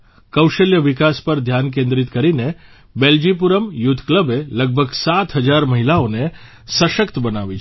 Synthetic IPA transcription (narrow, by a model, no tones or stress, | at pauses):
kəwʃəljəʋikaspəɾd̪ʱjankẽnd̪ɾit̪kəɾine | beld͡ʒip̬uɾəmjʊd̪ʰʱkləbeləɡ̚bʱəɡsat̪ʰɦəd͡ʒaɾməɦilaone | səʃəkt̪bənaʋit͡ʃʰ